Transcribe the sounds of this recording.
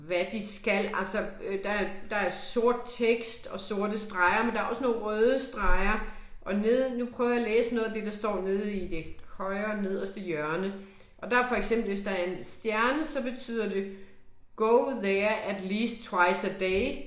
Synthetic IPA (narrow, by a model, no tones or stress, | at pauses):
ʋæd̥isɡ̥ælælsɒ̽d̥ɑ̈æɐd̥ɑ̈æɐso̝ɐ̰d̥̚t͡sʰeɡ̥sd̥ɒ̽so̝ɐ̰d̥əsd̥ʁɑ̈ɪɐmendɑ̈ɐɒ̽səno̝ːn̩ʁœːðˠəsd̥ʁɑ̈ɪɐʔɒ̽ne̝ð̰ˠnupʰʁœʊjælḛːsənɔ̽ːð̩ˠd̥e̝d̥ɑ̈sd̥ɒ̰ːne̝ð̞ˠid̥e̝hɒɪɐne̝ð̰ˠɒsd̥ejœɐnə | ʔɒ̽d̥ɑ̈ɐfɒ̽eɡ̥sem̰b̥l̩ʋe̝sd̥ɑ̈æɐe̝nsd̥jæɐnəsɒ̽b̥e̝t͡sʰy̰ːð̞̰ˠɐde̝ | ɡ̥oʊðɛɐæd̥liːsd̚t͡sʰwɑ̈ɪsæd̥eɪ